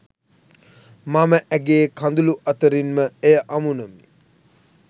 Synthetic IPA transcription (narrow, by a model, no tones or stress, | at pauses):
maməʔæɡeːkʰand̪uluʔat̪əɾinməejəʔamunəmi